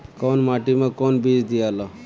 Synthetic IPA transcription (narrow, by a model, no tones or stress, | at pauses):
kɔnmaʈimẽkɔnbid͡zd̪ijala